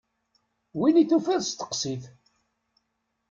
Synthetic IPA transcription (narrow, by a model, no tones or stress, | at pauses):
winiθufæðst̪ə̥qsiθ